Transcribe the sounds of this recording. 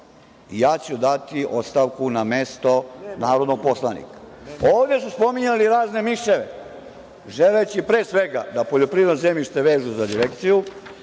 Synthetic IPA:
ijaːt͡ɕud̪at̪iʔo̞t̪st̪aʋkunamest̪o̞naːɾo̞d̪noɡ̚po̞slˠanḭkḁ | oːʋd̪e̞suspo̞miɲaliɾaːzne̞miʃeʋe | ʒelet͡ɕipɾeːsʋe̞ɡad̪apoʎo̞pɾiːed̪nozemiʃt̪eʋe̞ːʒuzad̪iɾekt̪siju

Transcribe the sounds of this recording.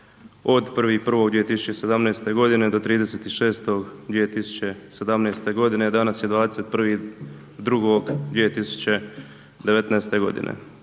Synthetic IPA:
od̪pr̩ʋipr̩ʋo̞ɡd̪ʋiet̪isu̥t͡ʃe̞se̞d̪amneːst̪e̞ɡo̞d̪ined̪o̞t̪ɾiːd̪e̞set̪iʃe̞ːst̪oɡd̪ʋije̞t̪isu̥t͡ɕe̞se̞d̪amneːst̪e̞ɡo̞d̪ine̞d̪anasjed̪ʋaːd̪ese̞t̪̚pr̩ʋi | d̪ɾuɡoɡd̪ʋijet̪isu̥t͡ɕe̞ | d̪e̞ʋe̞t̪neːst̪e̞ɡo̞̰d̪ḭnʔḛ

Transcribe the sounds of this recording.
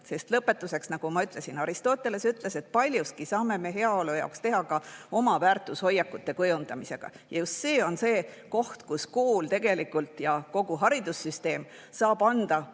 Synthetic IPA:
se̞st̪lɤpːˑe̞t̪ːˑuse̞ksnɑɡ̥umɑyt̪ˑle̞sinɑɾist̪o̞ːt̪ːˑe̞le̞syt̪ˑle̞se̞t̪̚ˑpɑlʲjuskisɑːme̞me̞ɦe̞ɑo̞lujɑ̰okst̪e̞ɦɑkɑo̞mɑvæːrt̪ːˑusho̞jːɑkːut̪ːˑe̞kɤjund̪̥ɑmise̞ɡ̥ɑ̰jɑjust̪se̞ːo̞nse̞ː | ko̞ht̪kuskoːlt̪e̞ɡ̥e̞likːult̪jɑko̞ɡ̥uɦɑɾid̪̥usːyst̪e̞ːm | sɑːb̥ɑnd̪̥ɑ

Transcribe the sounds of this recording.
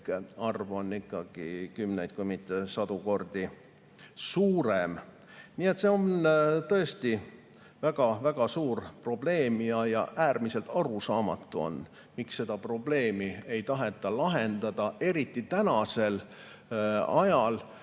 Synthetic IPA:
ɑrvo̞nːikːɑɡ̥ḭkymnejd̪̥̚kujmit̪ːˑesɑd̪̥uko̞rd̪̥i | suːɾem | niːe̞t̪se̞o̞nt̪ɤ̞est̪i | væɡ̥ɑvæɡ̥ɑsuːrpro̞b̥le̞ːmjɑjɑ̰ʔæːrmise̞lt̪ɑɾusɑːmɑ̰t̪ːˑuo̞̰n | miksːe̞d̪̥ɑpro̞b̥le̞ːmie̞jt̪ɑɦe̞t̪ːˑɑlɑɦe̞nd̪ɑd̪̥ɑʔe̞ɾit̪ːˑit̪ænɑse̞l | ɑjɑl

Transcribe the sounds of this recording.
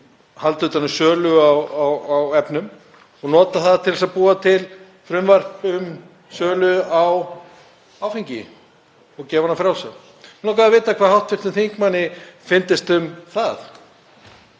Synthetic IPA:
halt̪ʏːt̪anːʏmsœːlʏawawawɛpnʏm | ɔɣnɔːt̪aθaðt̪ʰɪlasaðpuːat̪ʰɪl | fɾʏmvar̥pʏm | sœːlʏaw | awfiɲcɪ̰ | ɔɣcɛːvanafɾaw̪sa | nɔwkaðavɪːt̪akʰvaːhawht̪fɪr̥t̪ʏmθiŋ̥kmanːɪfɪnt̪ɪst̪ʏmθaθ

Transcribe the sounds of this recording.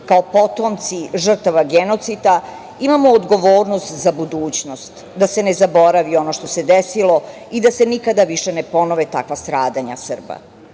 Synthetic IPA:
kaopo̞t̪omt̪siʒr̩t̪aʋaɡeno̞t̪sit̪a | imamoːd̪ɡo̞ʋoːɾnost̪zabud̪uːt͡ɕno̞st̪ | d̪ase̞nezabo̞ɾaʋio̞no̞ʃt̪o̞se̞d̪esilo̞ | id̪asenikad̪aʋiʃenepo̞noʋet̪akʋast̪ɾaːd̪aɲa̰sər̩ba̰

